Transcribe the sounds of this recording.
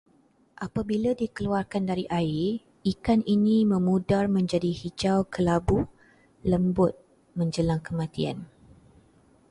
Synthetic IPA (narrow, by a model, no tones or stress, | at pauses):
ʔapabiladikəluarkandaɾiʔai | ikaninĩmə̃mũdarmə̃ɲd͡ʒadihid͡ʒawkəlabu | ləmbʊt̪̚ | mə̃ɲd͡ʒəlaŋkəmãt̪ia̰n